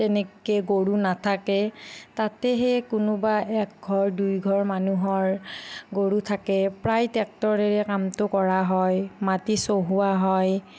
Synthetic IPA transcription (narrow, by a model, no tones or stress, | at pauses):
tɛnɛkeɡoɹunatʰakɛtatɛɦɛkʊnʊbaʔɛk̚ɡʱɔɹdujɡʱɔɹmanuɦɔɹɡoɹutʰakɛpɹajtɛk̚tɔɹɛɹɛkamtʊkɔɹaɦɔjmatisoɦuaɦɔj